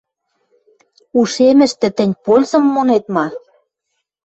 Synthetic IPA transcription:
uʃemɘ̆ʃt̪ɘ̆t̪ɘ̆nʲpolʲzɤ̆mːonet̪mɑ

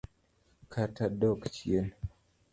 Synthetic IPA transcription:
kʰatadɔkt͡ʃjen

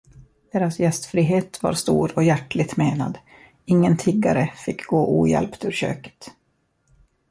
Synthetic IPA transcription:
d̪̥eːɾasjɛst̪fɾiːɦeːt̪va̰ɾst̪ṵːɾɔjæʈlɪɡ̚t̪meːna̰d̪ | ɪŋːənt̪ʰɪɡːa̰ɾəfɪkːɡoːʔuːjɛ̰lpt̪ʉ̟ːɾɕø̰ːkə̥t̪

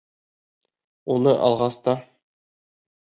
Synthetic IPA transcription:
unɤʔɒ̰lˠʁɑst̪ɑ

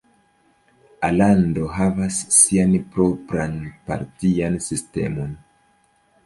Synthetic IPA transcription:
alando̞ɦavasːianpɾo̞pɾanpa̰ɾtiansiste̞̰mo̞n

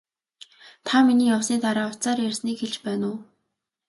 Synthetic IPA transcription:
t̪ʰaminiːjawsiːt̪aɾaːɔw̥t͡saːɾjersniːkxeɮt͡ɕpæːnʊː

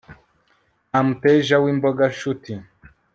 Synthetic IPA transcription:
am̩pɛʒawimbɔɡaʃuti

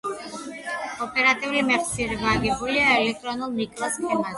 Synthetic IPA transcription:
ɔpʼɛɾat̪ʼiulimɛχt̪sʰiɛɾivaɡɛbuliaɛlɛk̚t̪ʼɾɔnulˠnikʼlaskʰɛma

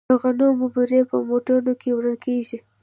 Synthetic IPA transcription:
əɣanomʊbuɾepə̰moʈonokewɾəlkeʒi

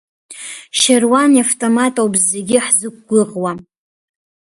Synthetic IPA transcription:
ʃarwaniaftʼomatʼowbzːeɡʲɪħzɨk̚ʷʼɡʷʊʁwa

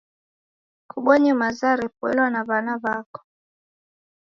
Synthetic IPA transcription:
kʰuɓɔɲɛmazaɾɛpwɛ̰lwanaβanaβakɔ̥

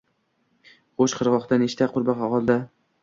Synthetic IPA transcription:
χoʃqʰɨɾʁɒχt̪aneʃt̪ʰaqʰʊɾbɑqɒqɒlˠd̪a

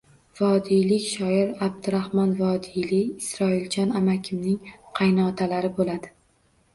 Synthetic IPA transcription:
vɒd̪ijlɪkʲʃɒɪɾab̚d̪ɪɾahmɒnvɒd̪ilɪːsɾɒɪld͡ʒʰɒnamakʲʰɪmnɪŋqʰɑjnɒt̪ʰalaɾɪbolad̪ɪ

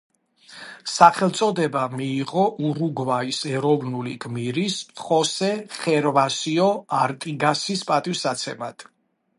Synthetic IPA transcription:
saχɛlˠt̪sʼɔd̪ɛbamiːʁɔʔuɾuɡvaisɛɾɔvnuliɡmiɾisχɔsɛχɛɾvasiɔaɾt̪ʼiɡasispʼat̪ʼifsat̪sʰɛmat̪ʰ

